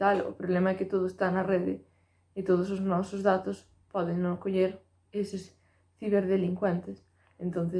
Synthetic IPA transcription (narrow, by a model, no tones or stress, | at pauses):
alʊ̰pɾoβlemaɛkɪt̪oð̞ʊest̪anɐreðɪ̰ | ɪt̪oð̞ʊsoznɔsʊzðat̪ʊs | pɔðeŋnõŋkoʎeɾ | esɪs | θiβ̞eɾðeliŋkwɛnt̪ɪs | ent̪õnθe